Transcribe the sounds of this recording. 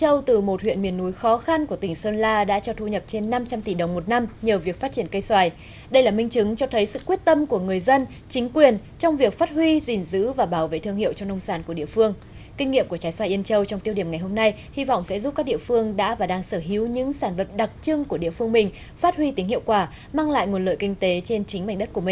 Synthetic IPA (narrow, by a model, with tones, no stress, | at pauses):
t͡ɕə˧wt̪ɨ˨˩mo˨˩t̚hwḭ˧˨ənmi˨˩ənːu˨˦jxɔ˨˦xa˧nku˧˩ət̪ï˨˩ŋ̟səː˧nlaː˧ɗa̰ː˧˥t͡ɕɔ˧t̪ʰu˧ɲə˨˩p̚t͡ɕe˧nːa˧mt͡ɕa˧mt̪i˧˩ɗə˨˩wŋ͡mmo˨˩t̚na˧mɲəː˨˩vi˨˩ək̚faː˦˥t̚t͡ɕi˧˩ənkə˧jswaː˧˩j | ɗə˧jlaː˨˩mï˧ŋ̟t͡ɕɨ˨˦ŋt͡ɕɔ˧t̪ʰə˨˦jsɨ̰˧˨kwi˦˥ət̚t̪ə˧mku˧˩əŋɨ˨˩əjzə˧n | t͡ɕï˨˦ŋ̟kwi˨˩ən | t͡ɕɔ˧wŋ͡mvi˨˩ək̚faː˦˥t̚ɦwi˧zi˨˩nzɨ̰˧˥vaː˨˩ɓaː˧˩wvḛ˧˨t̪ʰɨ˧əŋɦḭ˧˨əwt͡ɕɔ˧ŋ͡mnə˧wŋ͡msaː˧˩nku˧˩əɗḭ˧˨əfɨ˧əŋ | ki˧ŋ̟ŋːḭ˧˨mku˧˩ət͡ɕaː˨˦jswaː˧˩jʔi˧ənt͡ɕə˧wt͡ɕwŋ͡mt̪i˧wɗi˧˩əmŋa˨˩jɦo˧mna˧j | hi˧vɔ̰˧˨wŋ͡msɛ̰˧˥zu˦˥p̚kaː˦˥k̚ɗḭ˧˨əfɨ˧əŋɗa̰ː˧˥vaː˨˩ɗaː˧ŋsəː˧˩ɦi˨˦wɲɨ̰˧˥ŋsaː˧˩nvə˨˩t̚ɗa˨˩k̚t͡ɕɨ˧ŋku˧˩əɗḭ˧˨əfɨ˧əŋmï˨˩ŋ̟ | faː˦˥t̚hwi˧t̪i˨˦ŋhi˧˨wkwaː˧˩ | maː˧ŋla̰ː˧˨jŋo˨˩nlə̰ː˧˨jkï˧ŋ̟t̪e˨˦t͡ɕe˧nt͡ɕï˨˦ŋ̟ɓa˧˩ŋ̟ɗə˦˥t̚ku˧˩əi˨˩ŋ̟